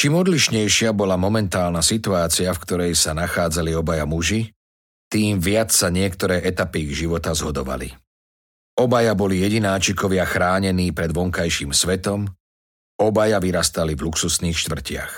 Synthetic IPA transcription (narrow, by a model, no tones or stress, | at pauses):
t͡ʃiːmɔd̪liʃɲɛjʃɪabɔlamɔmɛnt̪aːlnasit̪uaːt͡siafkt̪ɔɾɛjsanaxaːd͡zaliɔbajamuʒi | t̪iːmʋɪat͡ssaɲɪɛkt̪ɔɾɛːʔɛt̪apiɡʒiʋɔt̪azɦɔd̪ɔʋa̰lḭ | ɔbajabɔlijɛɟinaːt͡ʃikɔʋɪaxɾaːɲɛniːpɾɛd̪ʋɔŋkajʃiːmsʋɛt̪ɔm | ɔbajaʋiɾast̪alivluksusniːxʃt̪ʋr̩cɪa̰x